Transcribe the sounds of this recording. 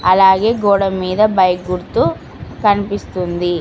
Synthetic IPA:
ɐlaːɡe̞ːɡoːɽɐmːiːd̪ɐbɐjɡuɾt̪u | kɐnipist̪und̪i

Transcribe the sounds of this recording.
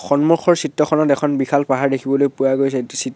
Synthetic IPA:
xɔnmuxʰɔɹsitːɔkʰɔnɔtɛkʰɔnbixʰalpaɦaɹdekʰibɔlojpuaɡojsɛsit

